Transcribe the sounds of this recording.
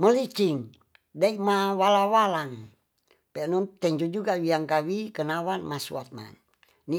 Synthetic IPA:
məlit͡ʃiŋ | daikmawalawalaŋ | pɛnɔnt̪ɛɲd͡ʒud͡ʒuɡawiaŋkawikənawanmasṵat̪̚ma̰n | ni

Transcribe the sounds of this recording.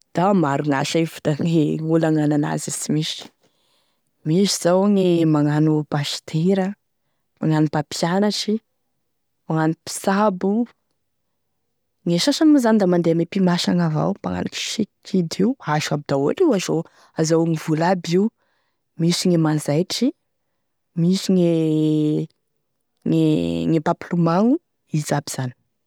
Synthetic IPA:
d̪̥amaɾuŋaʃavu̥d̪aŋeŋulaŋanana̰zisimisi̥ | miziz̥awŋemaŋanubaʃt̪ʰeɾə | maŋanubapʰianaʈ͡ʂi | maŋanupi̥sabu | ŋeʃasanimuzanid̪amand̪eamepimaʃaŋava̰wpaŋa̰na̰ki̥ʃikʰid̪iuaʃabid̪awa̰ʈ͡ʂiwazo | azawŋivulabiw | misiŋemanzajʈ͡ʂi | misiŋe | ŋeŋepaplumaŋu | izabiz̥ani̥

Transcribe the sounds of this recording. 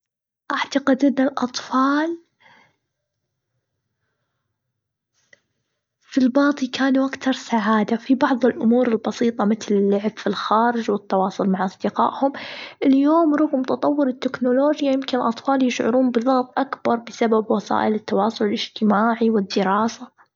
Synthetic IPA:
ʔaʕt̪aqɪd̪ʔɪnːɪlʔɑ̰t̪ˤfɑːl | filbɑːt̪ˤikaːnuʔakt̪ɑɾˤsaʕaːd̪afibɑʕðˤɪlʔʊmuːɾɪlbɑsiːt̪ˤɑmɪt̪lɪlːʊʕb̥filxaːɾɪd͡ʒwɪt̪ːɑwɑːsˤʊlmaʕʔɑsˤd̪ɪqɑ̰ːʔhʊmʔɪljoːmɾuːɣmʊt̪ɑt̪ˤɑwːɪɾɪt̪ːɪknʊloːd͡ʒjajɪmkɪnɪlʔɑt̪ˤfɑːljɪʃʕʊ̰ɾuːnbɪðɑɣt̪ˤʔakbɑɾˤbɪsababwɑsˤɑ̰ːʔɪlɪt̪ːɑwɑːsˤʊlɪlɪd͡ʒt̪ɪmaːʕiwɪd̪ːɪɾɑːsa

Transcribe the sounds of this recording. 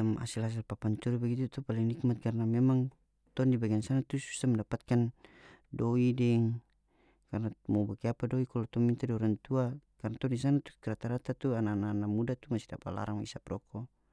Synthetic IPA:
ama̰silas̬ilpapant͡ʃuɾibaɡit̪ut̪upaliŋlik̚mat̪̚karnamɛmaŋ | t̪ɔndibaɡiansanat̪usu̥st̪amɛndapat̪̚kandɔidɛŋ | karnamɔbakiapadɔikɔlɔt̪ɔmint̪adɾant̪uakarnat̪ɔndis̬anat̪u̥kɾat̪aɾat̪at̪uananaːnamudat̪umasida̰pa̰la̰ɾaŋwaḭsapɾɔkɔ

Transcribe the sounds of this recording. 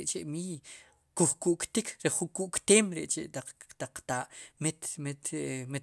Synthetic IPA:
ʔt͡ʃeʔmiːj | kuχkuʔkt̪ikʰɾeχuŋkuʔkt̪eːmɾeʔt͡ʃeʔt̪at̪aq͡χːt̪aːʔmet̪met̪me

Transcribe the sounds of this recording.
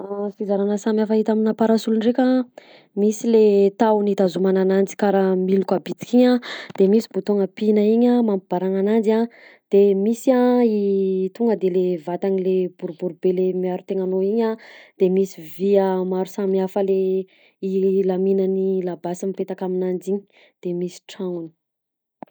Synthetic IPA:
afizaɾanəsamiafəɦit̪aminapaɾasulunrekʲa | misilet̪awnit̪azumananand͡zi̥kaɾamilukabit͡s̪i̥kʲiɲad̪̥emisi̥but̪oŋəpinəiɲamampib̥aɾaŋanand͡ziad̪̥emisiait̪uŋɡəd̪elevat̪anileb̥uɾbuɾubelemiaɾut̪eŋanoiɲad̪̥emisiviəmaɾusamiafəle | ilaminanilabasamipet̪akaminand͡ʒiɲi̥ | d̪̥emisi̥ʈ͡ʂaŋuni̥

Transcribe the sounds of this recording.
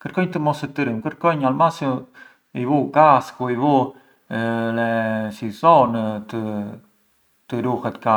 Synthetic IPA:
kəɾkɔjɲt̪əmɔsət̪əɾəmkəɾkɔjɲalmasu | ivuɡaskuivu | lɛsizɔnt̪ə | t̪əɾuhɛt̪ka

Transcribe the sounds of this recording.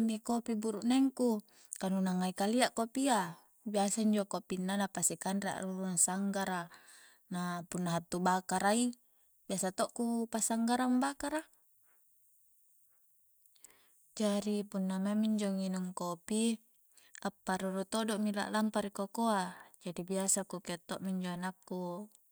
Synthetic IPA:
mːikopibuɾuʔneŋku | kanunaŋaikaliaʔkopia | biasaiɲd͡ʒokopinːanapasikanrea̰ʔruɾunasaŋɡaɾa | napunːaɦat̪ːubakaɾai | biasat̪oʔkupasaŋɡaɾambakaɾa | d͡ʒaɾipunːamamiɲd͡ʒoŋinuŋkopi | apːaɾuɾut̪odoʔmila̰ʔlampaɾikokoad͡ʒadibiasakukiat̪ːoʔmiɲd͡ʒoanakːu

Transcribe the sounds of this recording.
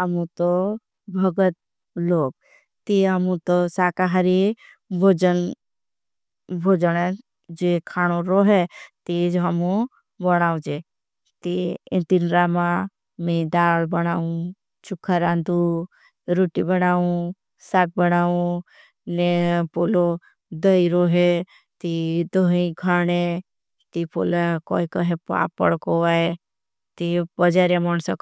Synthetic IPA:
əmũt̪o | bʱəɡət̪̚ | loːɡ̚ | t̪iɦəmũt̪osaːkaɦaɾi | bʱod͡ʒən | bʱoːd͡ʒənɛ | d͡ʒekʰaːɽ̃oɾɔɦɛt̪id͡ʒɦəmũ | bəɽ̃aːũd͡ʒe | t̪iɪ̃nt̪inɾamã | mẽd̪aːɭbəɽ̃aːũ | t͡ʃʊkʰːaɾãːnd̪u | ɾoʈibəɽ̃aːũ | saːk̚bəɽ̃aːũ | nepolo | d̪əiɾoɦe | t̪id̪oɦĩkʰaːɽ̃e | t̪ipolakɔ̰ikəɦepa̰ːpːə̰ɽkoae | t̪ibəd͡ʒaɾjaməɳsək

